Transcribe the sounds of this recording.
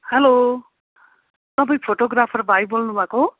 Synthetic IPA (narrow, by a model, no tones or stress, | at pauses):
helo | t̪ʌbʌj̃pʰoʈoɡrapʰʌrbʱajbolnubʱãko